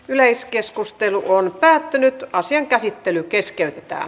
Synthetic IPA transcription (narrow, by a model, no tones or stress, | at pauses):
ylæiskeskust̪eluʔonpæːt̪ːynyt̪ɑsiɑŋkæsit̪ːelykeskeyt̪e̥t̪æ̰ː